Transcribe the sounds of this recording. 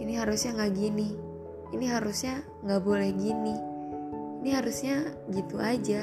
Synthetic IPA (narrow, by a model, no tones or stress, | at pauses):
iniɦaɾusɲaŋaɡini | iniɦaɾusɲa | ŋɡabɔlɛhɡini | iniɦaɾusɲaɡit̪uad͡ʒa